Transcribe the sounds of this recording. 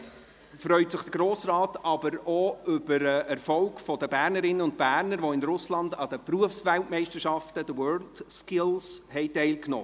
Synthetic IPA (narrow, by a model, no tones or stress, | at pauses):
fɾœʏtsəχd̥əɡ̥ɾoːsrɑːtɑbəɾɔʏb̥əɾəɛɾfɔlɡfɔdəbæːɾnəɾɪnːəʊnt̚bæːɾnəɾʋɔɪnɾʊslɑnd̪ɑd̥̪əpruəfsʋæltmɛɪʃtəɾʃɑftəd̥əwœːld̥skɪlshɛjtɛɪlknɔ̰ː